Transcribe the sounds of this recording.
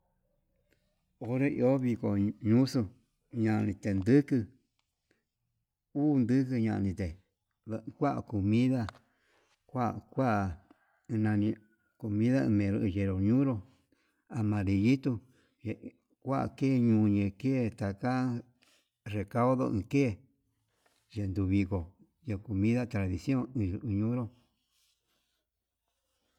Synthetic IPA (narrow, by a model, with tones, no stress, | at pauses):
o˧ɾe˦ʔḭ˧o˦βi˧ko˨ɲũ˦su˧ | ɲã˧nĩ˧t̪e˨nd̪ɨ˦kɨ˧ | uː˦˧nd̪ɨ˦kɨ˧ɲã˧ʔnĩ˧t̪e˨ | ðkʷa˦ʔa̰˨ko˨mĩ˦ða˦ | kʷa˦ʔkʷa˦ʔã˨˧ | nã˧nĩ˧ | ko˨mĩ˦ða˦ɨ̰̃˧mẽ˨˧ɾo˧je˨ɾo˨ɲũ˦ɾo˧ | a˧mã˧ɾi˧ji˦t̪u˦ | je˧ | kʷa˦ʔa̰˧ke˦˨ɲũ˧ɲẽ˧˨ke˦˨t̪a˨ka˦ | re˨ka˦o˦ðo̰˧ʔɨ̃˧ke˦˨ | ʒe˧nd̪u˧βi˧ko˨ | je˧ko˨mĩ˦ða˦t̪ɾa˨ði˧sjõ˦˨ĩ˧ʒu˧ʔɨ˧ɲũ˦ɾo˦